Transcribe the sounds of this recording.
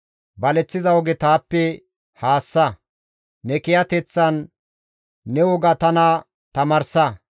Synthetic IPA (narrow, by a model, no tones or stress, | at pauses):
bɐlɛt͡sːɪzɐwɔɡɛt̪aːpːɛ | haːsːɐ | nɛkɪjɐt̪ɛt͡sːɐnː | ɛwɔɡɐt̪ɐnɐ | t̪ɐmɐɾsɐ